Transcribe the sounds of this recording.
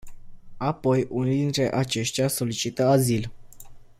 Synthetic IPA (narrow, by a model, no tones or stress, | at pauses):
apo̞junid̪int̪ɾe̞ʔat͡ʃe̞ʃt̪jaso̞lit͡ʃit̪əazil